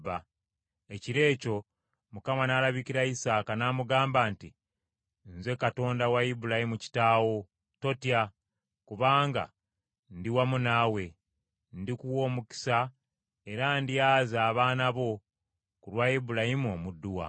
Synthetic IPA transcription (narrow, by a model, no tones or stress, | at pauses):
ba | e̞ciɾe̞ːco̞ | mukamanalaβiciɾaisaːkanaːmuɡaːmbaːnti | nze̞kato̞ːndawajibulahimuci̥taːwo̞ | to̞tia | kuβaːŋɡa̰ | ndiwamunawe̞ | ndikuwo̞ːmuki̥sa | e̞ɾandijaːzaːβaːnaβo̞ | kulwajibulahimuo̞ːmudːuwa̰